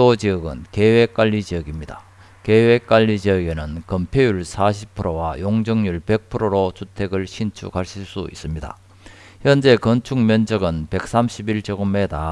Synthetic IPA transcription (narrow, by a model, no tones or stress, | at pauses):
od͡ʑiʌɡɯ̰nke̞we̞k͈aʎːid͡ʑiʌɡimɲida | ke̞we̞k͈aʎːid͡ʑiʌɡe̞nɯnkʌmpʰjejuɭsʰaɕ̬ʰipʰɯɾowajoŋd͡ʑʌŋɲuɭpe̞k̚pʰɯɾoɾot͡ɕʰutʰe̞ɡɯɭɕʰint͡ɕʰṵkaɭɕʰiɭs͈uḭs͈ɯmɲida̰ | çʰjʌnd͡ʑe̞kʌnt͡ɕʰuŋmjʌnd͡ʑʌɡɯnpe̞k̚s͈amɕʰibiɭt͡ɕʌɡɯmːeda